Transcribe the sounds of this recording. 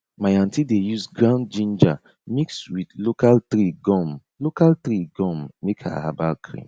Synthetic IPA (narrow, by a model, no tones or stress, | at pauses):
majãntidejusɡɹãʊn̚d͡ʒĩnd͡ʒa | mikswidlokaltɾiɡɔ̃m | lokaltɾiɡɔ̃mːekʰa̰ha̰balkʰɾḭ̃m